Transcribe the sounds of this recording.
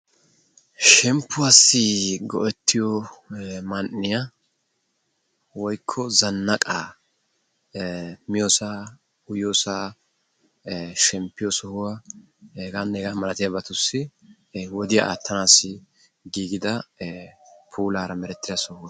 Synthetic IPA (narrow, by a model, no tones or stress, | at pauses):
ʃɛmpːʊasːɪɡɔʔɛt̪ʰːɪjɔ | mɐnːɪja | wɔjkʰːɔzɐnːɐkʼaː | mɪjoːsaː | ʊjoːsaː | ʃɛmpːɪjɔsɔhʊwɐ | hɛɡanːɛɡamɐlɐt̪ɪjɐbɐt̪ʊsːɪ | wɔd̪ɪjaʔa̰t̪ʰːɐnaːsːɪ | ɡiːɡɪd̪ɐ | pʰuːlaːɾɐmɛɾɛt̪ːɪd̪ɐsɔhʊwɐ